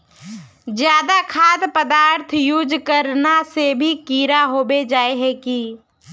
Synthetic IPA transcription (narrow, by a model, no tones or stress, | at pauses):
d͡ʒjaːd̪akʰaːd̪pəd̪aːɾt̪ʰjud͡ʒkəɾnasebʱikiːɾaɦoːbed͡ʒaːeɦɛki